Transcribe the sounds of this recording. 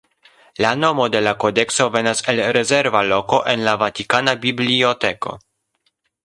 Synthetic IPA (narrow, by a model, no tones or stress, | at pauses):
lano̞mo̞de̞lako̞de̞kso̞ve̞nase̞lɾe̞ze̞ɾvalo̞ko̞ʔe̞nlavatikanabiblio̞te̞ko̞̰